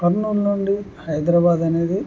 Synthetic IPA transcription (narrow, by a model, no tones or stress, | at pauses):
kɐɾnuːlnoɳɖihɐjd̪ɾaːbaːd̪ɐne̞ːd̪i